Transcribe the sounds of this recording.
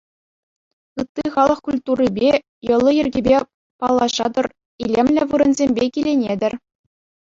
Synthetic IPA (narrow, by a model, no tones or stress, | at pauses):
ɯt̪ːiχɑlˠɤ̆χkulʲt̪uribʲe | jɤ̆lˠːɤ̆jɘ̆rʲɡʲibʲe | pɑlˠːɑʑɑd̪ɤ̆r | ilʲemlʲɘ̆ʋɯɾɤ̆nzʲemʲbʲekʲilʲenʲed̪ʲɘ̆rʲ